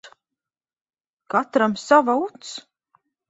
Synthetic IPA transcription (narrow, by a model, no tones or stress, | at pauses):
kat̪ɾamsavaut̪s